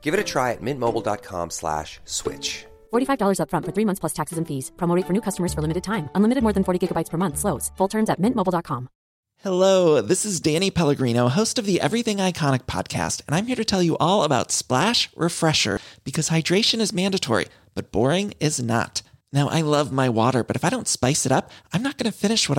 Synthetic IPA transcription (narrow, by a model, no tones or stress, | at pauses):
ɡ̥ɪvɨɾɨtʰɹ̥aɪɨ̰t̚mɪ̃nmoʊbl̩ˠdɑ̰t̚kʰɑ̰̃mslæ̰ʃswɪ̰t͡ʃ | fɔɹɾifaɪvdɔlˠə˞zʌpfɹʌ̃ntfə˞θɹimʌ̃nθpʰl̥ʌstʰæksɨzɨ̃n̩fiz̥pʰɹ̥omoʊɾeɪfə˞nʉkʰʌstəmə˞z̥fə˞lɪmɨɾɨd̚tʰãɪ̃mə̃nlɪ̃mɨɾɨd̚mɔɹðɨ̃n̩fɔɹɾiɡɪɡəbaɪtspʰə˞mʌ̃nθsloʊz̥fʊlˠtʰɜ̃˞mzɨt̚mɪ̃nʔmoʊbl̩ˠdɑt̚kʰɑ̃m | hɛloʊðɪsɨzdæ̃ñipʰɛlˠəɡɹĩnoʊɦoʊstʌvðiʔɛ̰vɹiθɪ̃ŋaɪkʰɑñɨk̚pʰɑ̰d̚kʰæ̰stɨ̃nãɪ̃mhiɹɾɨtʰɛlˠjɨʔɔlˠəbaʊtsplæʃɹʔɨfɹɛʃə̰˞b̥ɨkʰʌz̥haɪdɹeɪʃɨ̃nɨzmæ̃ndɨtʰɔ̰ɹḭ | b̥ʌt̚b̥ɔ̰ɹɪ̃ŋɪznə̰tnaʊʔa̰ɪlʌvmaɪwɔ̰ɾə̰˞bʌɾɨfaɪɾõʊ̃ntspaɪsɨɾʌpãɪ̃mnət̚ɡ̥ʌnɨfɪ̃nɨʃwʌɾ